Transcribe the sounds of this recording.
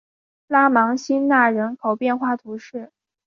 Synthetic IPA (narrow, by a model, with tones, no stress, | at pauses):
la˥mɑ˧˥ŋɕi˥nna˥˩ɻə˧˥nkʰo˨˩ʊpjɛ˥˧nxwa˥˩t̪ʰu˧˥ʂɻ̩˥˩